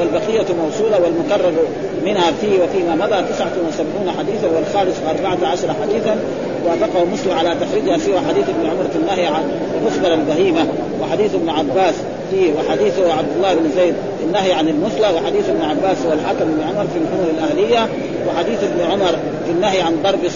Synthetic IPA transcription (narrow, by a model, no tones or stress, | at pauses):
walbaqijːamɑwsˤuːlɑwalmʊkɑrˤːɑɾ | mɪnhafiːwafiːmamɑd̪ˤɑt̪ɪsʕat̪nwɪsabʕuːnaħad̪iːθawalxaːmɪsʔɑɾˤbaʕat̪ʕaʃɑɾˤɑħad̪iːθan | wafɑqɑhmʊslaʕalat̪axɾiːd͡ʒhasɪwaħad̪iːθɪbnuʕʊmɑɾˤfinːaɦjʕan | lʔʊsb̪ɑɾˤalbaɦiːma | wɪħad̪iːθɪbnʕabːaːs | fiːwaħad̪iːθuʕab̚d̪ɑlˤːɑːɪbnzeːd̪̚ | anːaɦjʕanalmʊθlawɪħad̪iːθɪbnʕabːaːshuwalħakamɪbnʕʊmɑɾˤfilħʊmuɾalʔahlijːa | wɪħad̪iːθɪbnuʕʊmɑɾˤ | finːahjʕand̪ˤɑɾˤbi